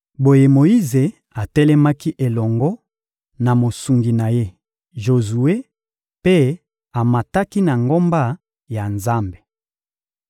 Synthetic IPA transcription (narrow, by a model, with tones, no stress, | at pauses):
bo˨je˨mo˨i˦ze˨ | a˨tɛ˦lɛ˦ma˦ki˦ʔe˨lɔ˨ŋɡɔ˦ | na˨mo˨su˨ŋɡi˨na˨je˦ | ʒo˨zu˨e˦ | pe˦ | a˨ma˨ta˦ki˦na˨ŋɡo˦mba˦ | ja˨nza˦mbe̥˨